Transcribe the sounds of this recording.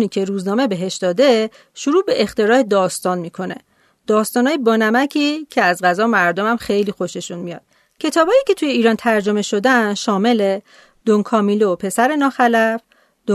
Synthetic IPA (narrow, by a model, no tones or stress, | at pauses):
niːcʰeɾuːznɒːme̞be̞ɦe̞ʃd̪ɒːd̪e̞ | ʃuɾuːbe̞ʔext̪e̞ɾɒːe̞d̪ɒːst̪ɒːnmiːkʰo̞ne̞̰ | d̪̥ɒːst̪ɒːnɒːjebɒːnæmæcʰiːcʰe̞æzɢæzɒːmæɾd̪omæmxe̞jliːxo̞ʃe̞ʃunmijɒ̰ːd̪̥̚ | cʰe̞t̪ʰɒːbɒːiːcʰe̞t̪ʰujeiːɾɒːnt̪ʰæɾd͡ʒo̞me̞ʃo̞d̪ænʃɒːme̞le̞ | d̪̥oŋkʰɒːmiːlopʰe̞sæɾe̞nɒːxælæf | d̪o